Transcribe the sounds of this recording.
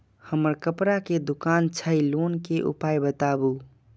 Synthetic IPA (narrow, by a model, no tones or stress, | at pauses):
həməɾkəpɾaked̪ukant͡ʃʰəilonkeʔṵpajbət̪abu